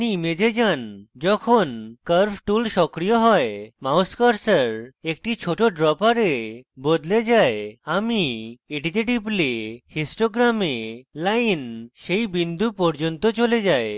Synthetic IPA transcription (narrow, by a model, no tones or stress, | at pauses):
niimed͡ʑed͡ʑand͡ʒɔkʰonkəɾpʰʈulʃɔkɾijɔɦɔemawskaɾsəɾek̚ʈit͡ʃʰoʈoɖɾɔpaɾebod̪led͡ʒaeamieɖit̪eʈiblehesʈoɡɾamelajnʃejbind̪ʱupɔɾd͡ʒont̪ɔt͡ʃoled͡ʑae